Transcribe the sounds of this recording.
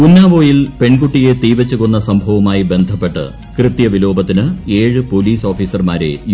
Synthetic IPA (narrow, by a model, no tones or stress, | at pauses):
kunːaːʋo̞ːjilpe̞ɳkuʈːije̞t̪iːʋɐt͡ɕːuɣonːɐsɐmbʱɐʋɐmaːjibe̞nd̪ʱɐpːe̞ʈːɨ̰ | krɨt̪jɐʋilo̞ːbɐt̪ːinɨe̞ːɻɨpo̞ːliːso̞ːfiːsɐrmaːɾe̞̰j